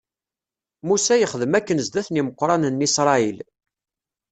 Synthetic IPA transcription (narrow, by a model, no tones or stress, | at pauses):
musæjəχəðəmækːənzd̪æθniməqːɾˤɑnənːisɾˤɑil